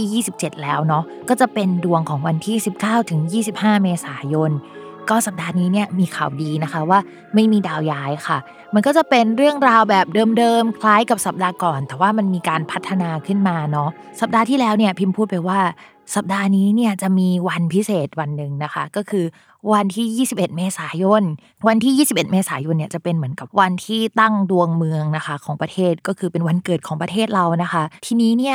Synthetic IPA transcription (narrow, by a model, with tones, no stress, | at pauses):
t̪ʰiː˥˩jiː˥˩si˨˩p̚t͡ɕe˨˩t̪̚lɛː˦˥wnɔ˦˥ | kɔː˥˩t͡ɕa˨˩pe˧ndu˧əŋkʰɔː˩˦ŋwa˧nt̪ʰiː˥˩si˨˩p̚kaː˥˩wt̪ʰɯ˩˦ŋjiː˥˩si˨˩p̚haː˥˩meː˧saː˩˦jo˧n | kɔː˥˩sa˨˩p̚daː˧niː˦˥ni˥˩ɐmiː˧kʰa̰˨˩wdiː˧na˦˥kʰa˦˥waː˥˩ | ma˥˩jmiː˧daː˧wjaː˦˥jxʰa˥˩ | ma˧nkɔː˥˩t͡ɕa˨˩pe˧nɾɯ˥˩əŋɾaː˧wbɛː˨˩p̚dɤː˧mdɤː˧mkʰlaː˦˥jka˨˩p̚sa˨˩p̚daː˧kɔː˨˩nt̪ɛː˨˩waː˥˩ma˧nmiː˧kaː˧npʰa˦˥t̪ʰːa˧naː˧kʰɯ˥˩nmaː˧nɔ˦˥ | sa˨˩p̚daː˧t̪ʰiː˥˩lɛː˦˥wni˥˩ɐpʰi˧mpʰuː˥˩t̪̚pa˧jwaː˥˩ | sa˨˩p̚daː˧niː˦˥ni˥˩ɐt͡ɕa˨˩ʔmiː˧wa˧npʰi˦˥seː˨˩t̪̚wa˧nːɯ˨˩ŋna˦˥xʰa˦˥kɔː˥˩kʰɯː˧ | wa˧nt̪ʰiː˥˩jiː˥˩si˨˩p̚ʔe˨˩t̪̚meː˧saː˩˦jo˧n | wa˧nt̪ʰiː˥˩jiː˥˩si˨˩p̚ʔe˨˩t̪̚meː˧saː˩˦jo˧nːi˥˩ɐt͡ɕa˨˩pe˧nmɯ˩˦ənka˨˩p̚wa˧nt̪ʰiː˥˩t̪a˥˩ŋdu˧əŋmɯ˧əŋna˦˥kʰa˦˥kʰɔː˩˦ŋpɾa˧t̪ʰeː˥˩t̪̚kɔː˥˩kʰɯː˧pe˧nwa˧nkɤː˨˩t̪̚kʰɔː˩˦ŋpɾa˧t̪ʰeː˥˩t̪̚ɾa˧wna˦˥xʰa˦˥t̪ʰiː˧niː˦˥ni˥˩ɐ